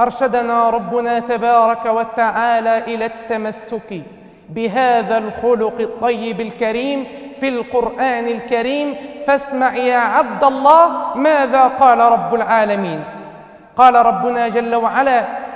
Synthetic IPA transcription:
ʔɑɾˤʃad̪naːɾˤɑbːʊnaːt̪abɑːɾˤɑkawat̪aʕaːlaːʔɪlaːt̪ːamasːʊk | bɪɦaːðalxʊlʊqɨt̪ˤːɑjːɪbalkaɾiːmfilqʊɾʔaːnɪlkaɾiːmfasmaʕjaːʕabd̪alˤːɑːhmaːðaːqɑːlaɾˤɑbːʊlʕaːlamiːn | qɑːlaɾˤɑbːʊnaːd͡ʒalːawaʕalaː

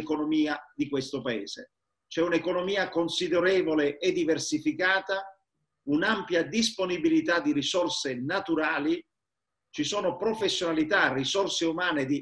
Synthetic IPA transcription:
konomiːad̪ikwest̪opaɛ̰ːz̥ḛ | t͡ʃɛunekonomiːakonsid̪eɾɛːvoleed̪ːiversifikaːt̪a | unampjad̪isponibilit̪ad̪ːirisɔrsenat̪uɾaːli | t͡ʃisoːnopɾofesːjonalit̪arːisɔrseumaːned̪i

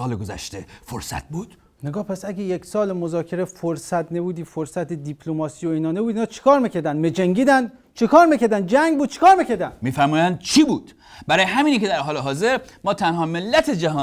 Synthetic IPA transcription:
ɒːleɡozæ̰ʃt̪efoɾsæ̰t̪̚buːd̪̥ | neɡɒːhpʰæsæɟejeksɒːlemozɒːcʰe̞ɾefoɾsæt̪nebuːd̪iːfoɾsæt̪ʰed̪ipʰlomɒːsiːjoiːnɒːnebuːd̪inɒːt͡ʃʰe̥kʰɒːɾmicʰæɾd̪ænd̪med͡ʒæŋɡiːd̪æn | t͡ʃʰekʰɒːɾmicʰæɾd̪ænd͡ʒæŋɡbuːd̪̚t͡ʃʰe̥kʰɒːɾmicʰæɾd̪ænmiːfæɾmuːjænd̪̚t͡ʃʰiːbuːd̪̥ | bæɾɒːjeɦæmiːnikʰed̪æɾɦɒːleɦɒːzeɾmɒːt̪ʰænɦɒːmelːæt̪ʰed͡ʒæɦɒː

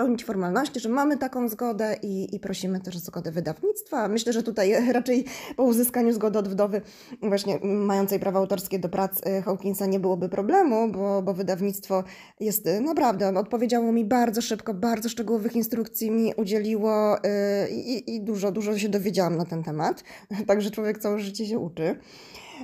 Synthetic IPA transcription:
pɛwɲit͡ɕfɔɾmalnɔɕt͡ɕiʐɛmamɘt̪akɔ̃w̃zɡɔd̪ɛʔiipɾɔɕimɘt̪ɛʂɔzɡɔd̪ɛvɘd̪avɲit̪st̪famɘɕlɛʐɛt̪ut̪ajɾat͡ʂɛjpɔuzɘskaɲuzɡɔd̪ɛɔd̪vd̪ɔvɘ | vwaɕɲɛːajɔnt̪sɛjpɾavɔawt̪ɔɾskʲed̪ɔpɾʔat̪sxɔwkʲinsaɲɛbɘwɔbɘpɾɔblɛmubɔbɔvɘd̪avɲit̪st̪fɔ | jɛst̪napɾavd̪ɛɔnɔt̪̚pɔvʲjed͡ʑawɔmʲibaɾd̪zɔʂɘpkɔbaɾd̪zɔʂt͡ʂɛɡuwɔvɘxinst̪ɾukt̪sʲjimʲiʔud͡ʑelʲiwɔ | ḭiːd̪uʐɔd̪uʐɔɕ̬ɛd̪ɔvʲjed͡ʑawamnat̪ɛnt̪ɛmat̪ː | aɡʐɛt͡ʂwɔvʲjɛk̚t̪sawɛʐɘt͡ɕɛɕ̬ɛʔut͡ʂɘ

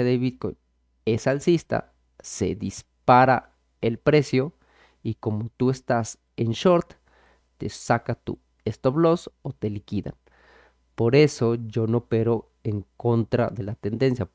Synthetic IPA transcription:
eðeβið̚ko̰jn | esalsist̪a̰ | sḛd̪ispaɾa̰ | elpɾesjo | ikomot̪uest̪as | enʃoɾt̪ː | ḛsakat̪ṵ | est̪oβlosot̪elikiða̰n | poɾesod͡ʒonopeɾo | eŋkont̪ɾa̰ðelat̪end̪ensja

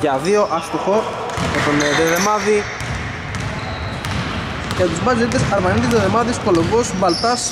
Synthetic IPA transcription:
ʝɐðio̞ʔɐst̪uxo | et̪oned̪eðemɐði | ʝɐt̪uzmɐziɾit̪esɐɾmɐnit̪id̪eðemɐðiskolombosbɐlt̪ɐs

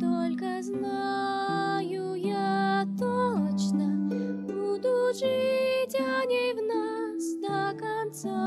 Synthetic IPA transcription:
t̪ɔlʲkɐzna | ju | jat̪ɔlˠɐt͡ʃnɐbud̪uʐɨtʲanʲevnasd̪ɐkant̪sa

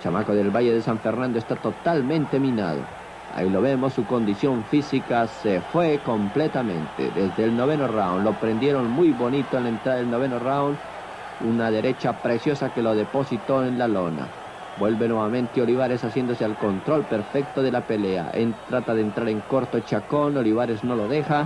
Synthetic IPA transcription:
t͡ʃamakoðe̞lβaʝeðesaɱfeɾnãnd̪oest̪at̪o̞t̪almẽnt̪e̞mĩna̰ð̞o̰ | a̰ilo̞βe̞mo̞sːuko̞nd̪isjo̞ɱfisikasefwe̞ko̞mplet̪amḛ̃nt̪ḛd̪ezðelnoβ̞enorawnlopɾend̪jeɾonmujβo̞nit̪oenlẽnt̪ɾaðaelnoβ̞enorawn | unaðe̞ɾʔe̞t͡ʃapɾe̞sjo̞sake̞lo̞ðepo̞sit̪o̞enlalona̰ | bwe̞lβe̞nweβamẽ̞nt̪eoliβ̞aɾe̞sasje̞nd̪osealko̞nt̪ɾo̞lpe̞ɾfek̚t̪oðelape̞lea̰ʔḛnt̪ɾat̪aðent̪ɾaɾe̞ŋkoɾt̪ot͡ʃako̞noliβaɾezno̞loðexa

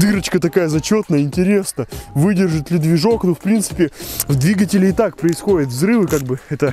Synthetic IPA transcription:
d̪ɨɾət͡ɕkət̪ɐkajəzɐt͡ɕo̞t̪nəjəɪnʲtʲɪɾʲe̞snəvɨdʲɪrʐɨt̪lʲɪd̪vʲɪʐo̞knofpɾʲint̪sɨ̥pʲɪvd̪vʲiɡət̬ʲɪlʲɪːt̪ak̚pɾəɪsxo̞dʲɪt̪vzɾɨvɨkaɡ̚bɨɛt̪ə

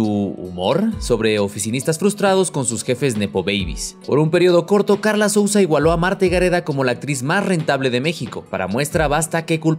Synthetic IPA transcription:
uṵmo̞ɾso̞βɾe̞o̞fisinist̪asfɾust̪ɾaðo̞sko̞nsusxe̞fe̞zne̞po̞βejβḭspo̞̰ɾumpe̞ɾjio̞ðo̞ko̞ɾt̪o̞kaɾlaso̞wsaiɣwalo̞amaɾt̪eɣaɾe̞ðako̞mo̞laːk̚t̪ɾizmasre̞nt̪aβle̞ðe̞me̞xiko̞paɾa̰mwe̞st̪ɾaβast̪ake̞kul

